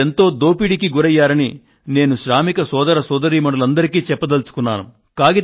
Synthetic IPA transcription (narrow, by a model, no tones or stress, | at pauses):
ent̪o̞ːd̪o̞ːpiɽikiɡuɾɐjːaːɾɐni | ne̞ːnuʃɾaːmikɐsɔːd̪ɐɾɐsɔːd̪ɐɾiːmɐɳɽɐlɐnd̪ɐɾikiːt͡ʃɛpːɐd̪ɐlt͡ʃu̥kunːaːnṵ | kaːɡi